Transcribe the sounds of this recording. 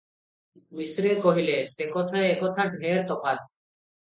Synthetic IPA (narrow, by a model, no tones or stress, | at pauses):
misɾekoɦilesekɔt̪ʰaeekɔt̪ʰaɖʱeɾt̪ɔpat̪̚